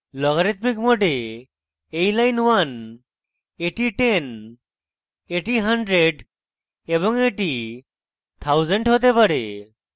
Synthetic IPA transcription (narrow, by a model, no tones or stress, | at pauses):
lɔɡɔɾit̪mikmoʈe | ejlajnwan | eʈiʈen | eʈiɦəɳɖɾeɖ | ebɔŋeʈi | t̪ʰawzəɳʈɦot̪̬epəɽḛ